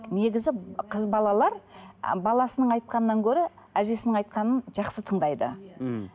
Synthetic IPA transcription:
ne̞ɡʲɪzɪqʰəzbɑlˠɑlˠɑɾbɑlˠɑsənəɴɑjt̪̚qɑnənːɑŋkʲʰɵɾɪæʒe̞sɪnɪɴɑjt̪̚qɑnənʒɑqsət̪ʰəɴd̪ɑjd̪ə̰

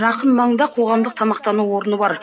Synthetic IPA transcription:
ʒɑqənmɑɴd̪ɑqʰo̞ʁɑmd̪əq̚t̪ʰɑmɑq̚t̪ɑnuwo̞ɾənəbɑɾ

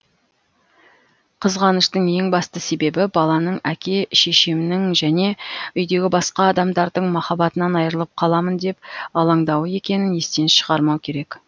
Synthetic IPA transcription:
qʰəzʁɑnəʃt̪əɴje̞ŋbɑst̪əse̞be̞bɪbɑlˠɑnəɴækʲe̞ʃe̞ʃɪmɪnɪŋʒæne̞ʏjd̪e̞ɡʲɪbɑsqɑːd̪ɑmd̪ɑɾd̪əɴmɑχɑbɑt̪ənɑnɑjəɾəlˠəp̚qʰɑlˠɑmənd̪e̞p̚ɑlˠɑɴd̪ɑwəe̞kʲe̞nɪne̞st̪enʃəʁɑɾmɑwkʲʰe̞ɾe̞k

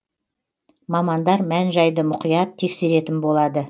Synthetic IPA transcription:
mɑmɑnd̪ɑɾmænʒɑjd̪əmʊqijɑt̪ʰːe̞kse̞ɾe̞t̪ɪnbo̞lˠɑd̪ə

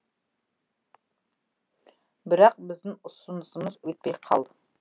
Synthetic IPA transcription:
bɪɾɑq̚bɪzd̪ɪŋʊsʊnəsəməzwɵt̪̚pejqʰɑ̰lˠd̪ə

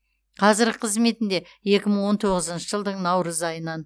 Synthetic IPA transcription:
qʰɑzɪɾqʰəzme̞t̪ɪnd̪e̞ | je̞kʲɪməɴwo̞nt̪ʰo̞ʁəzənʃəʒəlˠd̪əɴnɑwɾəzɑjənɑn

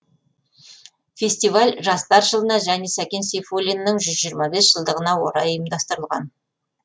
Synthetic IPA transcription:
fʲe̞sʲt̪ivalʲʒɑst̪ɑɾʒəlˠənɑʒæne̞sækʲe̞nsefolʲinːəɴʒʏzʒijəɾmɑbe̞sʒ̥əlˠd̪əʁənɑwo̞ɾɑjəjəmd̪ɑst̪əɾəlˠʁɑ̰n

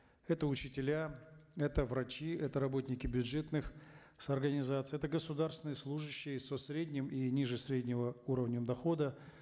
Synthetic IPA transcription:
ɛt̪əʊt͡ɕɪtʲɪlʲaɛt̪əvɾɐt͡ɕiɛt̪əɾɐbo̞t̪ʲnʲɪkʲɪbʲʊdʐɛt̪nɨx | səɐrɡənʲɪzat̪sɨjɛt̪əɡəsʊd̪arst̪ʲɪnɨjəslˠuʐɨɕːɪjəsɐsɾʲedʲnʲɪminʲiʐɨsɾʲedʲnʲɪvəuɾəvnʲəmd̪ɐxo̞d̪ə

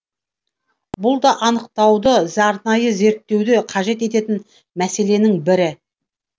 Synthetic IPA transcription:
bʊlˠd̪ɑʔɑnəq̚t̪ɑwd̪əzɑɾnɑjəze̞ɾt̪ːe̞wd̪eqʰɑʒe̞t̪̬e̞t̪e̞t̪ɪn | mæse̞le̞nɪŋbɪɾɪ

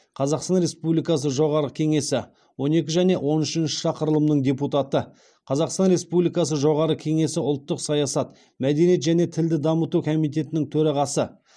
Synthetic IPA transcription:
qʰɑzɑqst̪ɑnɾe̞spublijkɑs̬əʒo̞ʁɑɾəkʲʰe̞ŋe̞sɪ | wo̞ne̞kʲɪʒæne̞wʔo̞nʏʃɪnʃɪ̥ʃɑqəɾəlˠəmnəɴd̪ʲe̞put̪ɑt̪ə | qʰɑzɑqst̪ɑnɾe̞spublijkɑs̬əʒo̞ʁɑɾəkʲʰe̞ŋe̞sɪʊlˠt̪ːəqsɑjɑsɑt̪ | mæd̪e̞nijet̪ʒæne̞t̪ʰɪld̪ɪd̪ɑmət̪ukʰo̞mijt̪̬e̞t̪ɪnɪŋt̪ʰɵɾɑʁɑsə

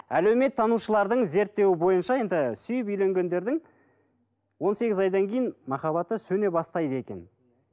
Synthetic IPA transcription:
ælewme̞t̪ʰːɑnuʃəlˠɑɾd̪əɴze̞ɾt̪ːe̞wɪbo̞jənʃɑje̞nd̪ɪsʏjəpijle̞ŋɡʲe̞nd̪e̞ɾd̪ɪŋ | wo̞nse̞ɡʲɪzɑjd̪ɑŋkʲʰe̞jɪnmɑχɑβɑt̪əsɵne̞bɑst̪ɑjd̪əe̞kʲe̞n

